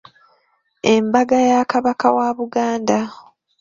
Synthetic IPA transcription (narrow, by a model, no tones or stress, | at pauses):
embaɡajakaβakawaβuɡaːnda